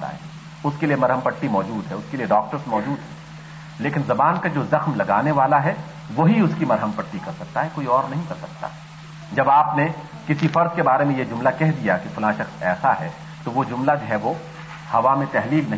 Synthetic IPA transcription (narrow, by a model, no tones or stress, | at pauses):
a̰ːɦɛ̰ | ʊskelijemɐɾɦəmpəʈːimɔːd͡ʒuːd̪ɦɛʊskelijeɖɔːk̚ʈəɾsmɔːd͡ʒuːd̪ɦɛː | leːkɪnzɐbaːnkad͡ʒoːzɐxmlɐɡaːneʋaːlaɦɛ | ʋoɦiʊskimɐɾɦəmpɐʈːikɐɾsɐk̚t̪aɦɛkoːiɔːɾnɐɦĩkɐɾsɐk̚t̪a̰ | d͡ʒɐbaːpne | kɪsifɐɾd̪kebaːɾemẽjed͡ʒʊmlakɛɦd̪ijakifʊlãːʃɐxsɛ̰ːsaɦɛː | t̪oʋod͡ʒʊmlad͡ʒoɦɛʋo | hɐʋamẽt̪ɛɦliːlnɐ